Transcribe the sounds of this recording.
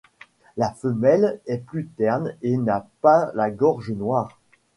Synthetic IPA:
lafəmɛlɛplyt̪ɛʁnenapalaɡɔʁʒənwaːʁ

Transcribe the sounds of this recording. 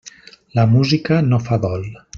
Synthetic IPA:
ləmuzikənofaðɔlˠ

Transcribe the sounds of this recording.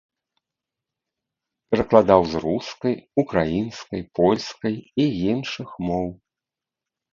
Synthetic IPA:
pʲɛɾɐklˠad̪awzɾuskɐjukɾajinskɐjpɔlʲskɐjiinʂɨxmɔw

